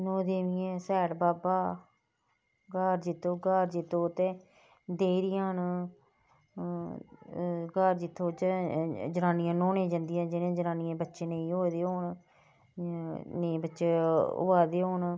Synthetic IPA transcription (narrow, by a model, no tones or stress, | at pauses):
noːd̪eːʋɪjɛ̃ːsɛːɽbaːbaː | ɡəɾd͡ʒɪt̪ʰːõːɡəɾd͡ʒɪt̪ʰːõːt̪ẽː | d̪eːɾɪjãːɦən | ɡəɾd͡ʒɪt̪ʰːõːd͡ʒd͡ʒənaːnijãːnoːnẽːd͡ʒãːnd̪ɪjãːd͡ʒɪnẽːd͡ʒənaːnɪjãːbətːʃeːneĩːɦoːd̪eːɦoːn | nẽːbətːʃeːʊ̰baːd̪eːɦoːn